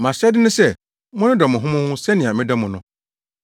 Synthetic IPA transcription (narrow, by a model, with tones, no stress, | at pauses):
mã˨ɕɛ˦dɪ˦nʊ̃˦sɛ˦˨ | mʊ̃˦nɪ̃˦dɔ˨mʊ̃˨ɦʊ̃˦mʊ̃˦hʊ̃˦sɛ˦nɪ̃˨a˨mɪ̃˦dɔ˦mʊ̃˨nʊ̃˦